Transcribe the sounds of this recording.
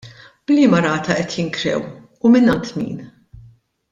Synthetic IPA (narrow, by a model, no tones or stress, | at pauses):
b̥liːmɐɾɐːt̪ɐʔɛt̪jɪŋkɾɛ̰w | ʊmɪnːɐnt̪mḭːn